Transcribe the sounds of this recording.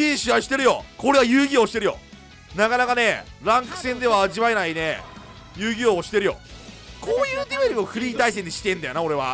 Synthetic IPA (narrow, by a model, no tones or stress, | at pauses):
iɕiβaɕi̥t̪e̞ɾɯ̟jo̞̰ko̞ɾe̞βajɯːɡʲio̞ːɕi̥t̪eɾɯjo̞̰ | nakanakane̞ɾãŋkɯ̟̥sẽ̞nd̪e̞βaːʑiβaenaine | jɯːɡʲioːɕi̥t̪e̞ɾɯjo̞̰ | kʰoːjɯːd̪eβeɾʲimo̞ɸɯ̟ɾʲiːt̪aisend̪eɕi̥t̪ẽ̞nd̪ajo̞nao̞ɾe̞βa̰